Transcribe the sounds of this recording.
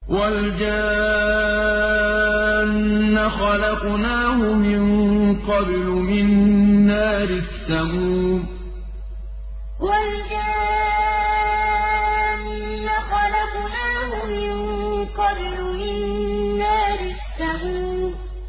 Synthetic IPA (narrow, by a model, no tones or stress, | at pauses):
wald͡ʒa | nːaxɑlɑqnaːhʊmɪqɑblʊmɪnːaːɾɪsːamuːm | wald͡ʒa | nː | axɑlɑqnaːhʊmɪnqɑblʊmɪnːaːɾɪsːamuːm